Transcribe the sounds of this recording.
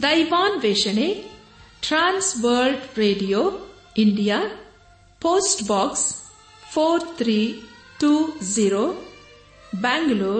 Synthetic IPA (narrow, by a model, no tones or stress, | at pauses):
d̪ɐjʋaːnʋeʃəne | ʈɾãnsʋəlɖɾeɖijo | iɳɖija | poːsʈbɔks | pʰoɾt̪ʰɾi | ʈuːziɾo | baŋɡlo